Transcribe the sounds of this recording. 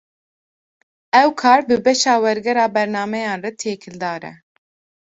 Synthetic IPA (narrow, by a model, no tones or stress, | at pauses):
ɛwkʰɑːɾbɨbɛʃɑːwɛɾɡɛɾɑːbɛɾnɑːmɛjɑːnrɛt̪ʰeːkʰɪld̪ɑːɾɛ̰